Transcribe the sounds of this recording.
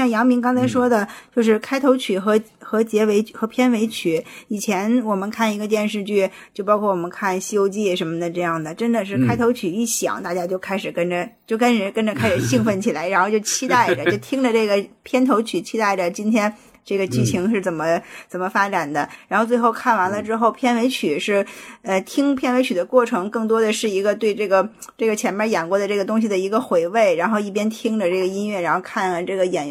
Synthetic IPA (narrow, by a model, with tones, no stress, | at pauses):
ɕjɑ˥˩ŋjɑ˧˥ŋmi˧˥ŋkɑ˥ŋt͡sʰa˧˥ɪʂwɔ˥d̪ə˨t͡ɕjo˥˧ʊʂ̬ɻ̩˥˩kʰa˥ɪt̪ʰo˧˥ʊt͡ɕʰy˨˩xɤ˧˥xɤ˧˥t͡ɕjɛ˧˥we˧˥ɪ˩xɤ˧˥pʰjɛ˥nwe˧˥ɪt͡ɕʰy˨˩˦i˨˩t͡ɕʰjɛ˧˥nwɔ˨˩mə˧˦nkʰa˥˩ni˧˥ɡə˧t̪̬jɛ˥˧nʂ̬ɻ̩˥˧t͡ɕy˥˩t͡ɕjo˥˧ʊpɑ˥ʊkʰwɔ˥˩wɔ˨˩ə˦nkʰa˥˩nɕjo˥ʊt͡ɕi˥˩ʂə˧˥nmə˧d̪ə˩ʈ͡ʂɤ˥˧jɑ˥˩ŋd̪ə˩ʈ͡ʂə˥nd̪ə˨ʂ̬ɻ̩˥˩kʰa˥ɪt̪ʰo˧˥ʊt͡ɕʰy˨˩i˥˩ɕjɑ̰˨˩ŋt̪a˥˩t͡ɕja˥t͡ɕjo˥˧ʊkʰa˥ɪʂɻ̩˨˩kə˥nd͡ʒə˧t͡ɕjo˥˩ʊkʰa˥nʂ̩˨˧˩kə˥nʈ͡ʂə˨kʰa˥ɪʂɻ̩˨˩ɕi˥˧ŋfə˥˩nt͡ɕʰi˨˩la˧˥ɪɻa˧˥nxʊt͡ɕjo˥˩ʊt͡ɕʰi˥t̪a˥˩ɪʈ͡ʂə˩t͡ɕjo˥˩ʊt̪ʰi˥ŋdə˨˧ʈ͡ʂɤ˥˩ɡə˩pʰjɛ˥nt̪ʰo˧˥ʊt͡ɕʰy˨˩t͡ɕʰi˥t̪a˥˩ɪʈ͡ʂə˩t͡ɕi˥nt̪ʰjɛ˥n | ʈ͡ʂɤ˥˩ɡə˩t͡ɕy˥˩t͡ɕʰi˧˥ŋʂɻ̩˥˩t͡sə˨˩nmə˦t͡sə˨˩nmə˦fa˥ʈ͡ʂa˨˩nd̪ə˦ɻa˧˥nxo˥˧ʊt͡swe˥˧ɪxo˥˧ʊkʰa˥˩nwa˧˥nlə˧ʈ͡ʂɻ̩˥xo˥˩ʊpʰjɛ˥˩nwe˧˥ɪt͡ɕʰy˨˩ʂɻ̩˥˩ə˧t̪ʰi˥ŋpʰjɛ˥˩nwe˧˥ɪt͡ɕʰy˨˩d̪ə˦kwɔ˥˩ʈ͡ʂʰɤ˧˥ŋkɤ˥˩ŋt̪̬wɔ˥d̪ə˨ʂɻ̩˥˩i˧˥ɡə˧t̪we˥˧ɪʈ͡ʂɤ˥˩ɡə˩ | ʈ͡ʂɤ˥˩ɡə˩t͡ɕʰjɛ˧˥npjɛ˥jɛ˨˩nkwɔ˧˥d̪ə˧ʈ͡ʂɤ˥˩ɡə˩t̪̬ʊ˥ŋɕ̬i˩d̪ə˩i˧˥ɡə˧xwe˧˥ɪwe˥˩ɪɻa˧˥nxo˥˧ʊi˥˩p̬jɛ˥nt̪ʰi˥ŋʈ͡ʂə˨ʈ͡ʂɤ˥˩ɡə˩i˥nɥɛ˥˩ɻa˧˥nxo˥˧ʊkʰa˥˩na˧˨˩ʈ͡ʂɤ˥˩ɡə˩jɛ˨˩n